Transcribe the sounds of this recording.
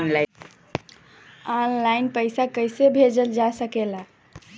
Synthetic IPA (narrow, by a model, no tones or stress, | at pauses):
nla | ɔnlaɪnpəɪsakəjsebʱed͡ʒəld͡ʒasəkela